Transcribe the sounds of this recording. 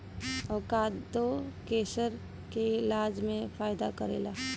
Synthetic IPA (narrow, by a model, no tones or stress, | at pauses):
ɐkad̪okeːsəɾ | keɪlaːd͡ʒmẽfaːɪd̪akəɾḛːlaː